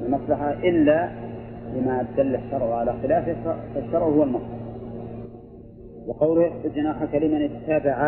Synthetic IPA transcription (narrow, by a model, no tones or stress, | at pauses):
ɪlmasˤlɑħaʔɪlːalɪmad̪alːaʃːɑɾˤʕʕalaxɪlaːfɪfaʃːɑɾˤʕhʊwalmɑsˤlɑħ | wɑqɑwlʊhɪħbɪd͡ʒanaːħakalɪmanɪt̪t̪ːaːbɪʕa